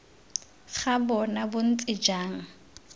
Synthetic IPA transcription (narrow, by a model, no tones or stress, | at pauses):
χabɔnabʊn̩t͡sʼɪd͡ʒaːŋ̩